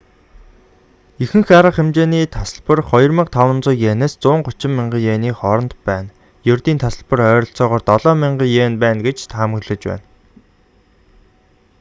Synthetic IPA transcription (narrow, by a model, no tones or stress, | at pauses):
ixɘ̆ŋxaɾə̆χemt͡ɕeːniːt̪ʰasə̆ɮpə̆rχɔjɞ̆rmə̆ɴqt̪ʰawə̆nt͡sʊːjjeːneːst͡sʊːɴɢʊt͡ɕɪ̆mːiɴɢə̆jeːniːχɔɾɞ̆nt̪pæːn | jʊrʲt̪iːnt̪ʰasə̆ɮpə̆rœːɾʲɞ̆ɬt͡sɔːʁɔːrt̪ɔɮɔːmiɴɢə̆jeːnpæːnɡet͡ɕt̪ʰaːmə̆ɣɮɘ̆t͡ɕpæ̰ːn